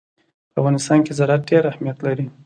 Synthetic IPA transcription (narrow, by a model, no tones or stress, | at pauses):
pəavɣɑnɪst̪ɑnkezaɾat̪̚ɖeɾahmijat̪laɾi